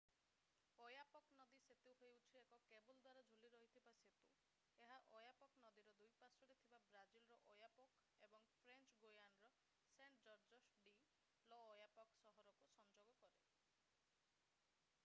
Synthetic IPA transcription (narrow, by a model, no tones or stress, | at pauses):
ojapɔknɔd̪iset̪iwɦoeut͡ʃʰiekɔkebuld̪waɾad͡ʒʱuliɾɔɦit̪ʰibaset̪u | eɦaʔojapɔknɔd̪iɾɔd̪ujpasɔɽet̪ʰibabɾad͡ʒilɾɔʔojapɔk | ebɔŋpʰɾent͡ʃɡojanɾɔ | seɳʈd͡ʒɔɾd͡ʒɔsɖi | lɔːjapɔksɔɦɔɾɔkusɔnd͡ʒoɡɔkɔɾe